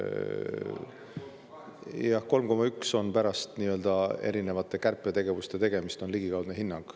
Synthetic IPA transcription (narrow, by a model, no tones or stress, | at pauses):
jɑhko̞lmko̞mːɑykso̞npæɾɑst̪niːøld̪̥ɑe̞̰ɾine̞vɑt̪ːˑe̞kærpˑːe̞t̪e̞ɡ̥e̞vust̪e̞t̪e̞ɡ̥e̞mist̪o̞nliɡ̥ikɑwd̪neɦinːɑŋɡ̥